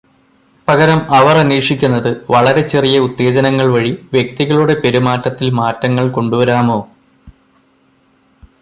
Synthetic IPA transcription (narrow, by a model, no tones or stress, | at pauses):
pɐɣɐɾɐmɐʋɐrɐnːiːʂikʲːunːɐðɨʋɐɭɐɾe̞t͡ɕe̞rijɐut̪ːe̞ːd͡ʑɐnɐŋːɐɭʋɐɻiʋjek̚t̪iɣɐɭuɽe̞pe̞ɾumaːtːɐt̪ːilmaːtːɐŋːɐɭko̞ɳɖuʋɐɾaːmo̞ː